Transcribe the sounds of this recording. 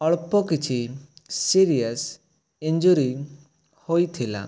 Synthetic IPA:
ɔɭpɔkit͡ʃʰisiɾias | ind͡ʒuɾi | hojt̪ʰila̰

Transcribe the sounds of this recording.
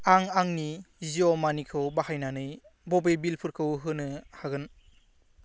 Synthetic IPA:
aŋaŋniziɔmanikʰɯwbahajnanɯj | bɔbebilpʰɯɾkʰɯwɦɯnɯhaɡɯn

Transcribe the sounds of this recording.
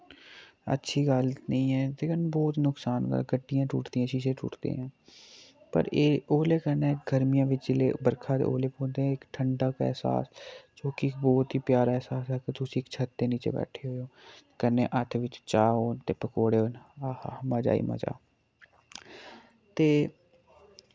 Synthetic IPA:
ə̰tːʃʰiːɡəlnəĩːɛːt̪eːkənbɔːt̪nʊksaːnɡə̰ɡəɖːɪjãːʈṵːʈd̪ijãːʃiʃẽːʈʰṵːʈd̪ḛːɦãː | pə̰ɾeːoːleːkənɛːɡʱəɾmɪjãːʋɪt͡ʃd͡ʒlḛːbəɾkʰaːt̪ḛːo̰ːleːpõːnd̪ẽːɪkʈʰəɳɖaːkɛ̰ːsa̰ːst͡ʃoːkɪkbɔːt̪ɦiːpjaːɾaːɛːsaːsɛːkɪt̪ʊsĩːɪkt͡ʃʰət̪ːeːniːt͡ʃḛːbɛ̰ːʈʰeːɦoːjoːkəneːʔət̪ʰʋɪt͡ʃt͡ʃaːɦoːnt̪eːpəkoːɽeːonahamaːd͡ʒa̰ːḭːmə̰d͡ʒa̰ː | t̪eː

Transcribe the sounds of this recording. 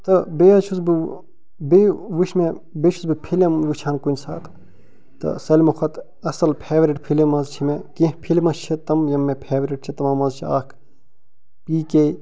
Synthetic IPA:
t̪ɐbeːɐt͡ʃʰuzbɨ | beʋuʃme | bet͡ʃʰuzbɨpʰilemʋut͡ʃʰaːnkunʲsa̰ːt̪ | t̪ɐ̰sɐlʲmɐxʰɐt̪ | ɐsɐlpʰeːʋɾiʈpʰilemɐzt͡ʃʰimekĩːɦpʰilʲimɐt͡ʃʰɐt̪ɐmjɐmːepʰeːʋɾiʈ̚t͡ʃʰɐt̪ɐmaːmɐzt͡ʃʰia̰ːkʰ | piːke

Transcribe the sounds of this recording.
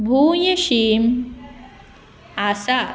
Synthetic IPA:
bʱujəɕim | asa

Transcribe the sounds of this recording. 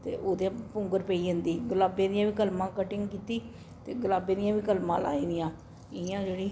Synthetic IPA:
t̪ḛːʔoːd̪jãːpʊ̃ŋɡəɾpəiːɦənd̪iːɡəlaːbeːd̪ɪjãːʋiːkəlmãːkəʈɪŋɡkiːt̪iː | t̪eːɡəlaːbeːd̪ɪjãːʋiːkəlmã̰ːla̰ːiːd̪ɪjãː | ɪãːd͡ʒeːɽiː

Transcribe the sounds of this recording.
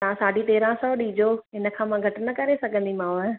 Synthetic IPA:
t̪ɐãːsaːɖit̪eːɾãsɔːɗiːd͡ʒoːɪnə̆kʰãːmãɡʱɐʈnɐkɐɾesɐɡʱə̃nd̪imãːʋ

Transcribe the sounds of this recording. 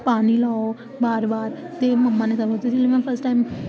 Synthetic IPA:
paɽ̃ilao | baːɾbaːɾ | t̪eməmːanekəʋot̪et̪ilemãnfəɾsʈãjm

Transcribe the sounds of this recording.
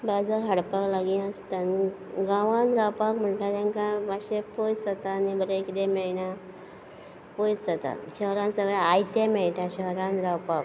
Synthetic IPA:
bad͡zaɦəɽpaklaɡiəst̪an | ɡãʋãnɾawpakm̤əɳʈ̪at̪ɛ̃ŋkaaɕepojsət̪anibəɾeekd̪emɛna | pojssat̪a̰ɕəɦɾãnsəɡɭaajt̪emeɭʈ̪ãɕəɾãnd̪ɾawpak̚

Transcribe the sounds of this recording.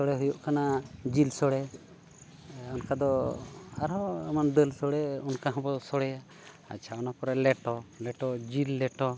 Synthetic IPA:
sɔɽɛɦujuʔkanad͡ʒilsɔɽɛ | ɔnkad̪ɔaɾɔamand̪əlsɔɽɛɔnkaɦɔ̃bɔsɔɽɛja | a̰t͡ʃʰaɔnapɔɾɛlɛʈɔlɛʈɔd͡ʒilːɛʈɔ

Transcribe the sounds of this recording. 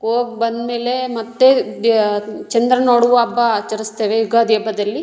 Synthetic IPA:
ɦoːɡ̚bɐnd̪meːlemɐt̪ːe | t͡ʃɐnd̪ɾɐnoːɽuʋɐbːɐt͡ʃːɐɾist̪eːʋeiɡaːd̪ɛːbɐd̪ɐlːi

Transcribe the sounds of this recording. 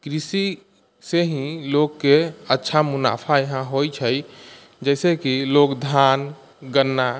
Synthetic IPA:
kɾisi | seɦĩlokːeətːʃʰamuna̰pʰajəɦãɦojt͡ʃʰəj | d͡ʒɛsekilokd̪ʱan | ɡənːa

